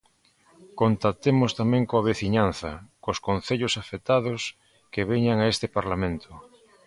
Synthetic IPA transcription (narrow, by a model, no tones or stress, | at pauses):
kont̪at̪emost̪amẽŋkoaβ̞eθiɲan̟θɐ̰koskon̟θeʎosafet̪aðos | keβ̞eɲaŋaest̪epaɾlamẽnt̪ʰo